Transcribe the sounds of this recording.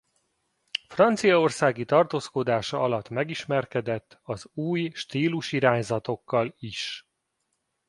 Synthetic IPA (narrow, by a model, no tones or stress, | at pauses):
frɒnt̪sijɒo̞rsaːɡit̪ɒrt̪oːsko̞d̪aːʃɒɒlɒt̪ːmɛɡiʃmɛrkɛd̪ɛt̪ːɒzuːjʃt̪iːluʃiɾaːɲzɒt̪o̞kːɒliʃ